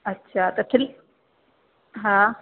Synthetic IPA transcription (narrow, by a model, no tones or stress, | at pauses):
ɐtːɕʰat̪ɐt̪ʰɪl | ɦã